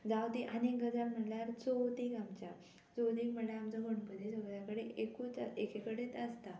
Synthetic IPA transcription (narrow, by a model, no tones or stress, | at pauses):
d͡zawt̪iʔanekɡəd͡zaɾm̤əɽljaɾt͡sowt̪ikamt͡ɕa | t͡sowt̪iːkməɭeamt͡sɔɡʱoɳpəd̪ʱet͡soɡəd͡zjakəɽeekuːt͡sekʰekəɽet̪əst̪a